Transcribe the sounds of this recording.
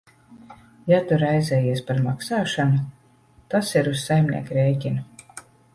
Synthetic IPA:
jat̪uɾajzɛːjiɛspaɾmaksaːʃanu | t̪asiɾussajmnʲḭɛkuɾejcʲinu

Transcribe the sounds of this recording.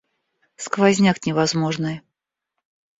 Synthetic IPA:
skvazʲnʲaknʲɪvɐzmoʐnɨj

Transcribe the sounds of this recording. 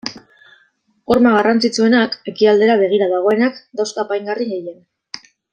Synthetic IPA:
o̞ɾmaɣ̞arant͡sit͡sue̞nake̞kiald̪e̞ɾaβ̞e̞ɣ̞iɾaðaɣ̞o̞e̞nakd̪awskapajŋɡariɣeje̞n

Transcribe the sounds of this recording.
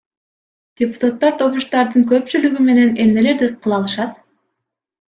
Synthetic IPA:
d̥ʲepu̥t̪at̪ːɑɾt̪ʰo̞βuʃt̪ɑɾd̪ɯŋkø̞p̚t͡ʃylyɡyme̞ne̞ne̞mne̞le̞ɾd̪iqʰɯlˠɑlˠɯʃɑt̪

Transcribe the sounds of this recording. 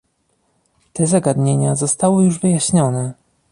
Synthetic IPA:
t̪ɛzaɡad̪ɲeɲazɔst̪awɘjuʐvɘjaɕɲɔnɛ

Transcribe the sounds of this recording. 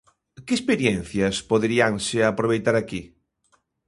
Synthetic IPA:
keespeɾjɛnθjaspoðɾiaŋseapɾoβ̞ejt̪aɾaki

